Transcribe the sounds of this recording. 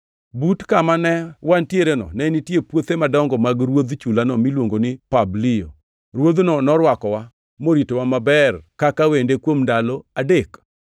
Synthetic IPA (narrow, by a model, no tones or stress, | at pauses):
butkamanɛwantjeɾenɔ̰nɛnitjepwot̪emadɔŋɡɔmaɡɾwod̪t͡ʃulanɔmilwoŋɡonɪpablɪjo̰ | ɾwod̪nɔnɔɾwakɔwa | moɾitowamabɛrkakawendekwomndalɔadek